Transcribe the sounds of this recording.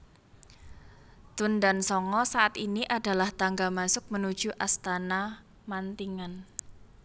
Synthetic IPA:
t̪undansɔŋɔsaat̪iniʔad̥a̤laht̪aŋɡamasʊk̚mənud̥ʒ̥ṳʔast̪ana | mant̪iŋan

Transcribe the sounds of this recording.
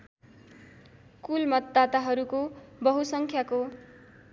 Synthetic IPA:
kulmʌt̪d̪at̪aɦʌɾukobʌɦusʌŋkʰjako

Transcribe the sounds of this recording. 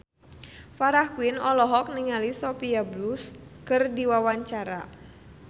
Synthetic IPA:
faɾahkwɪnɔlɔɦɔk̚niŋalisɔpiabluskɨrdiwawaɲt͡ʃaɾa̰

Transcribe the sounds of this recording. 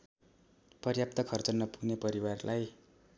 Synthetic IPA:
pʌrjap̚t̪ʌkʰʌrt͡sʌnʌpuɡnepʌɾiwarlʔaj

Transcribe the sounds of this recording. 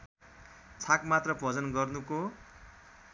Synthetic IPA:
t͡sʰakmat̪rʌpʌd͡zʌnɡʌrnuko

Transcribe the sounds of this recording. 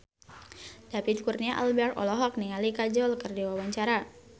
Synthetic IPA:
d̥apit̪̚kurnaʔa̰lbɛrt̪ɔ̰lɔɦɔk̚niŋalikad͡ʒɔlkɨrdiwawaɲt͡ʃaɾa

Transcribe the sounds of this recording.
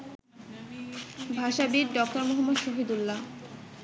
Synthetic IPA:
bʱaʃabiɾɖɔk̚ʈoɾmoɦamːod̪ʃoɦid̪ulːa

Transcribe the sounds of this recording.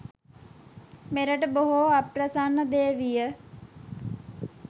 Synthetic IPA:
meɾəʈboɦoapɾəsanəd̪eːʋijə

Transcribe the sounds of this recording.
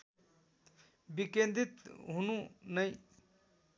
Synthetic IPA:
bikend̪it̪ɦununəj

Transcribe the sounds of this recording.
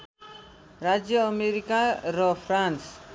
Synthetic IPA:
rad͡zjʌːmeɾikaɾʌpʰrans

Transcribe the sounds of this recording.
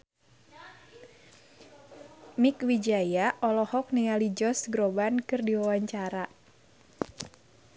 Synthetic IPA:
mikwid͡ʒajaʔɔlɔhɔk̚nealid͡ʒɔsɡɾobankɨrdiwawaɲt͡ʃaɾa

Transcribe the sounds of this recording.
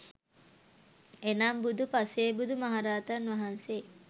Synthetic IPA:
enaːmbud̪upaseːbud̪umaɦaɾaːt̪ɐnʋaɦanse

